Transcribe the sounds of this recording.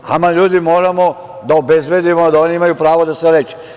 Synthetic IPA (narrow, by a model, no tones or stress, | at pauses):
a̰maʎuːd̪imo̞ːɾamo̞ | d̪aobezbe̞d̪imod̪aoːniimajupɾaːʋod̪aseɾet͡ʃe̥